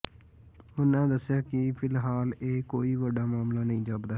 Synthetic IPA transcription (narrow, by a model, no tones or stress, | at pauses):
ʊnãːd̪əsːɪjaːkɪpʰɪlɦaːleːkoːiːʋəɖaːmaːmlaːnəĩːd͡ʒaːbd̪aː